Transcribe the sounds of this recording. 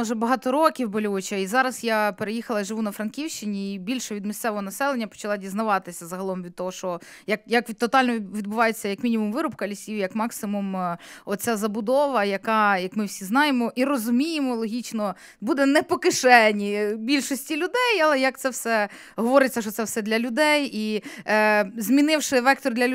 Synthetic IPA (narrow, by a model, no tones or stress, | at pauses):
ɔʒɛbɐɦɑt̪ɔɾɔkʲiwbɔlʲuʋʊt͡ʃɐizɑɾɐsjapeɾejixɐlˠɐiʒɪʋunɐfɾɐnkʲiwʃt͡ʃɪnʲiibʲilʲʃɔʋʲid̪mʲist̪ɛʋɔɦɔnɐsɛlˠenʲːɐpɔ̥t͡ʃɐlˠɑdʲiznɐʋɑt̪ɪsʲɐzɐɦɐlˠɔmʋʲid̪̚t̪ɔɦɔʃt͡ʃɔ | jɐkjɐkʋʲt̪ɔt̪ɑlʲnɔʋʲid̪̚bʊʋɑjet͡sʲːɐjɐkmʲinʲimumʋɪɾʊpkɐlʲisʲiwjɐkmɑksɪmumɔt̪t͡sʲazɐbʊd̪ɔʋɐjɐkɑjɐkmɪwsʲiznɑjemɔʔiɾɔzʊmʲijemɔlˠɔɦʲit͡ʃnɔ | bud̪ɛnɛpɔkɪʃɛnʲibʲilʲʃɔsʲtʲilʲʊd̪ɛjɐlˠɛjɐk̚t̪sɛwsɛ | ɦɔʋɔɾɪt͡sʲːɐʃt͡ʃɔt̪sɛwsɛd̪lʲɐlʲʊd̪ɛji | zʲmʲinɪwʃɪʋɛk̚t̪ɔrd̪lʲɐ